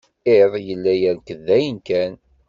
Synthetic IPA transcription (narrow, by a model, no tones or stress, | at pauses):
eðˤjəlːæjəɾkəðːæjənkæn